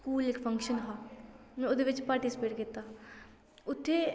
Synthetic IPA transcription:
skuːlɪkpʰə̃ŋkʃənɦaːmɛ̃ːʊd̪eʋɪt͡ʃpaːɾʈisɪpeːʈkɪt̪ːaː | ʊt̪ʰːe

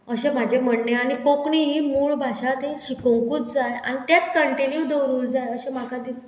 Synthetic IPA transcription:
əɕẽm̤ad͡ʑʱem̤əɽneaɽ̃ikokɳiɦiːmuːɭbʱaɕat̪ẽɕikə̃ŋkuːt͡sd͡zaja̰ñit̪jat͡s̪kəɳʈinjud̪əɾuːld͡zajəɕem̤akʰad̪is

